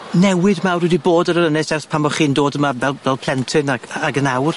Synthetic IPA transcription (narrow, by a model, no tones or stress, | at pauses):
nɛwɪðmawrwɪdiboːdəɾəɾənɪsɛrθpʰamɔχiːndoːdəmavɛlˠvɛlˠpʰl̥ˠɛntʰɨnaɡ̥aɡənawr